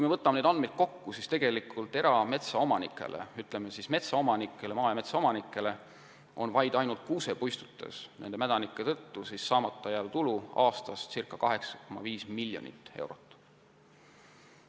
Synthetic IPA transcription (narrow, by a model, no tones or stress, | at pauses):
kujmevɤt̪ːˑɑmened̪ɑnmejd̪̚ko̞kːusist̪e̞ɡ̥e̞likʰult̪ːe̞ɾɑme̞t̪sɑo̞mɑnikːˑe̞̰lʔḛyt̪ˑlemesisme̞t̪sɑo̞mɑnikːˑe̞lemɑːjɑme̞t̪sɑo̞mɑnikˑːe̞le̞ | ʔo̞̰nvɑjd̪̥ɑjnult̪̚kuːse̞pujst̪u̥t̪ːˑḛsne̞nd̪emæd̪ɑnikːˑet̪ɤt̪ːusisːɑːmɑt̪ˑːɑjæːlt̪uluɑːst̪ɑst̪sirkːˑɑkɑɦe̞ksɑ̥komɑ̰viːsmilʲːjo̞̰nʲḭt̪ːˑe̞̰wɾo̞t̪ːˑ